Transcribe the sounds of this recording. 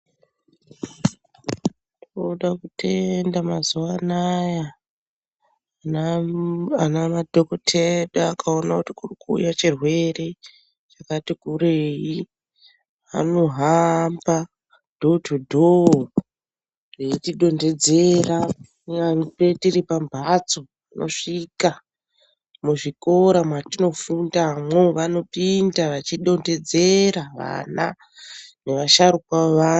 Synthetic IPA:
toɗakutʰe̞ndamazuwanaja | anamadʱokotʰeɗaːkʰao̞nakutikurikṵːjat͡ʃirwe̞re̞ | t͡ʃakatikuɾeːi | a̰noɦamba | d̥ʱotʰudʱo | reitiɗo̞nde̞d͡zera | apetiripambʱat͡so̞ | ino̞̰ʂika | muʐiko̞ɾamwatino̞fundamwoʋano̞pindaʋat͡ʃiɗo̞nde̞d͡ze̞ɾaʋa̰na̰ | ne̞ʋaʃaɾukaʋa

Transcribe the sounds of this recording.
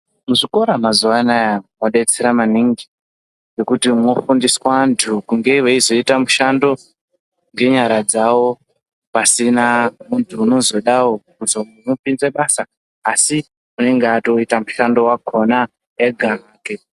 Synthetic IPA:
muʐiko̞ɾamazuʋanajamoɗet͡seɾamaniŋɡi | ɡe̞kutimo̞fundiswantʰukuŋɡe̞iwe̞izo̞itamuʃando̞ | ŋɡe̞ɲaɾad͡zawo̞ | pasinamuntʰuːno̞zo̞ɗawo̞kuzomupinzeɓasaː | si | une̞ŋɡeato̞itamuʃando̞waɡʱo̞na | eɡʱaaːke

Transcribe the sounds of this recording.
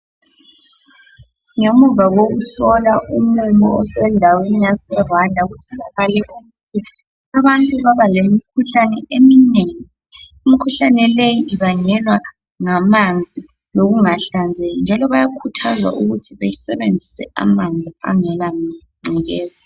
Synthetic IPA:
ŋomuvaɣoɣuɬɔlaʔum̩imɔ̰ɔsɛndʱawenijasɛrandʱaɣutʰɔlaɣalɛʔuɣutʰi | aβantʼuβaβalemikʰuɬanɛʔemineŋi | umikʰuɬanɛlejiiβaɲɛlwa | ŋamand͡zʱi | loɣuŋaɬand͡zʱejɔnd͡ʒʱalɔβajakʰutʰazwa̰ʔuɣutʰiβejisɛβend͡zʱisɛ̰a̰mand͡zʱia̰ŋɛla | ŋ͡ǀʱiɣɛːza

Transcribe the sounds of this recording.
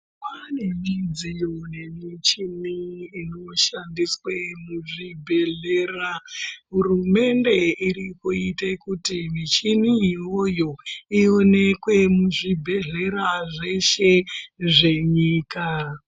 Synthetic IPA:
pane̞mid͡zijone̞mit͡ʃiniːnoʃandiswemuʐibʱe̞ɮe̞ːraɦurume̞nde̞iɾikuitekutimit͡ʃiniːwo̞jo̞io̞ne̞kwe̞muʐibʱe̞ɮe̞ɾaʐe̞ʃe̞ʐe̞ɲiːka

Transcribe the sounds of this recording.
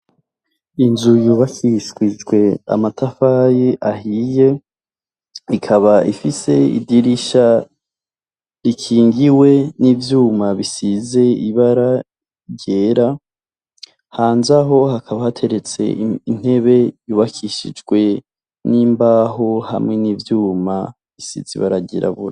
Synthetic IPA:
inzujuːβakʰiʃɡwid͡ʒɡwe̞a̰matʰafajeʔahije̞ | ikʰaβaḭfise̞ḭdiɾiʃa | ɾikʰiːŋɡiwe̞nivjuːmaβisize̞iβaɾa | ɟe̞ɾa | haːnzaɦo̞ɦakʰaβahatʰe̞ɾe̞t͡se̞̰in̥he̞βe̞juːβakʰiʃḭd͡ʒɡwe̞ | niːmbaɦo̞ha̰mŋe̞niːvjuːma | βisḭziβa̰ɾaɟḛɾa̰βuɾa

